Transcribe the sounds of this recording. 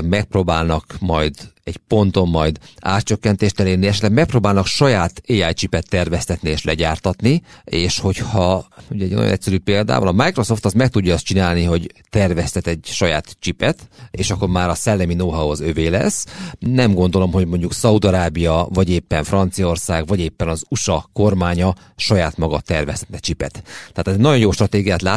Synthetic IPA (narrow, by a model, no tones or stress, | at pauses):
mɛk̚proːbaːlnɒkmɒjd̪ɛɟpo̞nt̪o̞mːɒjd̪a̰ːt̪t͡ʃø̞kːɛnt̪eːʃt̪ɛleːrniɛʃɛt̪lɛɡmɛk̚proːbaːlnɒkʃɒjaːt̪eːaːjt͡ʃipɛt̪ːɛrvɛst̪ɛt̪nieːʃlɛɟaːrt̪ɒt̪nieːʃho̞chɒuɟɛɟno̰jo̰nɛ̰cʲsɛɾyːpeːld̪a̰ːvolɒmajkro̞so̞ft̪ɒst̪mɛk̚t̪uɟːɒːst̪t͡ʃinaːlniɦo̞ɟt̪ɛrvɛst̪ɛt̪ɛɟʃɒjaːt̪t͡ʃipɛt̪ḛːʃɒkːo̞ɾmaːɾɒsɛlːɛminoːɦɒozø̞veːlɛ̰sːnɛmɡo̞nd̪o̞lo̞mɦo̞ɟmo̞ɲɟuksɒud̪ɒɾaːbijɒvɒɟeːpːɛɱfrɒnt̪sijɒo̞rsaːɡvɒɟeːpːɛnɒzuʃɒko̞rmaːɲɒ | ʃɒjaːt̪mɒɡɒt̪ɛrvɛst̪ɛt̪nɛt͡ʃipɛt̪t̪ːɛaːt̪ɛzɛnɒjonjoːʃt̪rɒt̪eːɡijaːt̪laː